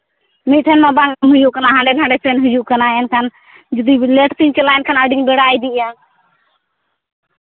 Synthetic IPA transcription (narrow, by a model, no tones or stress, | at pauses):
miʈʰənmãːbaːŋmɦʊd͡ʒukənaːɦãːɳɖeːnãɳɖeːseːnɦʊd͡ʒuːkənaːənkʰan | d͡ʒd̪iːleːʈt̪iɲt͡ʃəlaːjnkʰanəɖɪŋbeɽaːiːd̪iʔjaː